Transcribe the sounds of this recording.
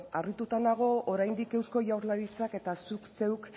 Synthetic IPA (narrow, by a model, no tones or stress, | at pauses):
arit̪ut̪and̪aɣ̞o̞oɾajnd̪ike̞wsko̞ʝawɾlaɾit͡sake̞t̪asukse̞wk